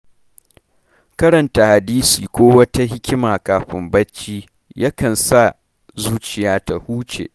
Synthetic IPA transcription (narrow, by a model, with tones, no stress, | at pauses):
kɐ˦ɾɐ˨nta˨ha˨diː˦siː˨kʷoː˦wɐ˦ta˦ɦɪ˦kʲɪ˦maː˨kaː˨ɸɪ˨mbɐ˦t͡ʃːiː˦ | ja˦kɐ˨nsa˦˨ | zuː˦t͡ʃɪ˨jaː˦ta˨huː˦t͡ʃḛː˨ʔ